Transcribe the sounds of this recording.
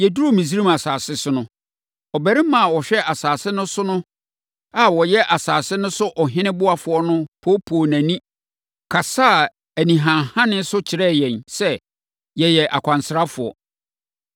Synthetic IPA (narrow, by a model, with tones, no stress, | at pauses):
jɛ˨du˦ɾo˦˨mĩ˨s̬i˦ɾĩ˦ma˨saː˨sɪ˦sʊ˦nʊ̃˦ | ɔ˨bæ˨ɾɪ˦mã˨wɔ˨ɕᶣɛ˦ʔa˨saː˨sɪ˦nʊ̃˦sʊ˦nʊ̃˦ | a˨wɔ˨jɛ˦ʔa˨saː˨sɪ˦nʊ̃˦sʊ˦ʔɔ˨ɦɪ̃˦nɪ̃˦bʊ˦a˨fʊ˨˦ɔ˦nʊ̃˦pʰo˦pʰoː˨næ̃˨nĩ˦ | kʰa˨saː˦˨ | æ˨nĩ˨ɦã˨hã˦nɪ̃˦sʊ˦t͡ɕʰɪ˨ɾɛ˦˨jɛ̃˨nsɛ˦ | jɛ˨jɛ˨ʔa˨kʷʰã˨nsɾa˦fʊ˨ɔ̰˨